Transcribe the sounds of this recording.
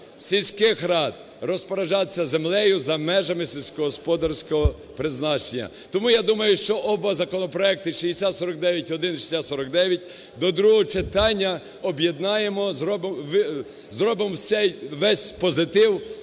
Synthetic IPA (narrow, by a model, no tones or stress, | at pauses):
sʲilʲsʲkɪxɾɑd̪̚ | rɔspɐɾɐʒɑsʲːɐzemlˠɛjʊzɐmɛʒɐmɪsʲilʲsʲkɔɦɔspɔd̪ɐrsʲkɔɦɔ | pɾɪznɑt͡ʃenʲːɐ̰ | t̪ɔmujad̪umɐjʊʃt͡ʃɔʔɔbɔzɐkɔnɔpɾɔɛk̚t̪ɪʃijesʲat̪sɔɾɐk̚d̪ɛʋʲjɐtʲɔd̪ɪnʃi̥sʲat̪sɔɾɐk̚d̪ɛʋʲjɐt̚ʲ | d̪ɔd̪ɾuɦɔt͡ʃet̪ɑnʲːɐ | ɔbje̞d̪nɑjemɔzɾɔbʋ | zɾɔbɪmwsʲɛjʋɛsʲpɔzɪt̪ɪw